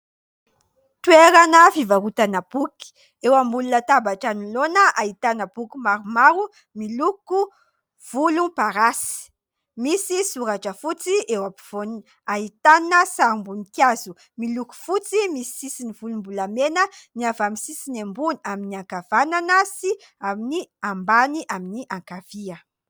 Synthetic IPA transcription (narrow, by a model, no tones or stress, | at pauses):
t̪ueɾanəfivaɾut̪anab̥uki̥ | ewambulunət̪abaʈ͡ʂanilonəʔait̪anəb̥ukimaɾumaɾu | miluku | v̥ulupaɾasi̥ | misisuɾaʈ͡ʂəfut͡siewapi̥v̥on | ait̪annəsaɾumbunikjazu | miluku̥fut͡simisi̥sisinivulumbulamenəniavamisisinembuniaminiaŋkav̥ananasi | aminiambaniʔaminiʔaŋkav̥iə